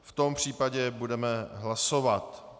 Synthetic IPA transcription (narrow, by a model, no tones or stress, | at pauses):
ft̪o̞mpr̝̥iːpaɟɛbudɛmɛɦlasovat̪